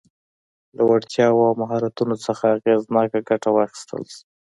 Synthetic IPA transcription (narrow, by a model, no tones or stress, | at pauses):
lawaɽt̪jɑwawmaɦɑɾat̪unot͡səxaːɣeznɑkaɡaʈawɑxi̥st̪ʰə̰ls